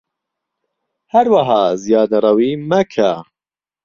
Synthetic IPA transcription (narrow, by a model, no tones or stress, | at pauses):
hɐɾwaɦɑːzijɑːd̪ɐrˤɐwiːmɐkʰa